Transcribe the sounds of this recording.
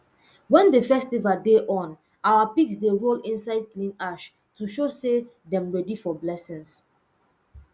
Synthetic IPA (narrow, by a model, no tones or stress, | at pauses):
wɛ̃ndəfɛstivaldeʔɔ̃n | awapiksdeɹolĩnsaɪd̚klĩnaʃ | tuʃose | dɛ̃mɹɛdifɔblɛsĩns